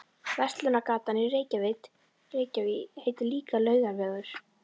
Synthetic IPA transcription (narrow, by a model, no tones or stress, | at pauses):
vɛrst̪lʏnakaːt̪anɪreːjcavejt̪ | reːjcaviheːjt̪ɪliːkalœːɥðavɛːɣðʏɾ̥